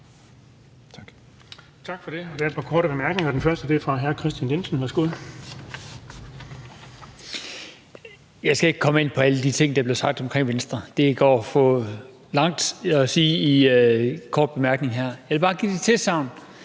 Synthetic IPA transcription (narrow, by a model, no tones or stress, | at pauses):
t͡sʰɑ̈ɡ̥fɒ̽d̥e̝ɒd̥eɐed̥̚pʰɑ̈kʰɒːɾəb̥emæɐɡ̥neŋɐɒd̥enfɶɐsd̥əd̥efʁɑ̈ɦæɐkʰʁɛsd̥jænlensn̩hæɐsɡ̥oð̰ˠ | jɑ̈ɪsɡ̥æe̝ɡ̥̚kʰɒ̽me̝n̰pʰɒ̽æləd̥it͡sʰe̝ŋ̰d̥ɑ̈b̥le̝sɑ̈ɡ̥̚d̥ɒ̽mkʰʁeŋ̰ʋensd̥ʁɐd̥e̝ɡ̥ɒ̰ːfɔ | lɑ̈ŋ̰d̥ɒsiːi | kʰɒ̰ːd̥̚b̥e̝mæɐɡ̥ne̝ŋɦæɐ̰jɑɪʋelb̥ɑ̈ːɡ̥ḭːd̥et͡sʰe̝sɑ̈ʊn